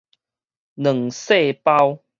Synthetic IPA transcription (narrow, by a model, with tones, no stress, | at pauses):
nə˨˩ŋse˥˧pa˦w